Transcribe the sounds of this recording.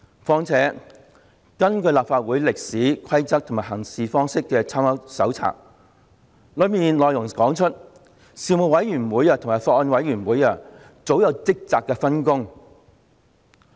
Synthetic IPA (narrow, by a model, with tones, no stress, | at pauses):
fɔː˧ŋt͡sʰɛː˨˥ | kɐ˥nkɵ˧ɥlaː˨p̚faː˧t̚wuː˨˥jlɪ˨k̚siː˨˥kʰɐ˥jt͡sɐ˥k̚t̪ʰʊ˨˩ŋmaː˨˩ɦɐ˨˩ŋsiː˨fɔː˥ŋsɪ˥kːɛː˧t͡sʰaː˥mɐ˥sɐ˨˥wt͡sʰa̰ː˨˩k̚ | lɵ˨˧ɥmiː˨nlɔː˨jʊ˨˩ŋkɔː˨˥ŋt͡ʃʰɵ˥t̚ | siː˨˧mʊ˨wɐ˨˥jyː˨˩nwuː˨˧˥jaː˧t̪ʰʊ˨˩ŋmaː˨˩jfɔː˧k̚ɔ˧nwɐ˨˥jɥyː˨˩nwuː˨˥jaː˧˨ | t͡so˨˥wjɐ˨˧wt͡sɪ˥k̚t͡saː˧˨kːɛː˧fɐ˥nkʊ˥ŋ